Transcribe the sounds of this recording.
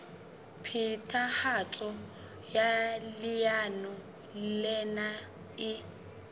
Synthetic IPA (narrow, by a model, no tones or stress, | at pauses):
pʰitʰʼahat͡ɬʼɔ | jalɪjanɔ | lɛna | ɪ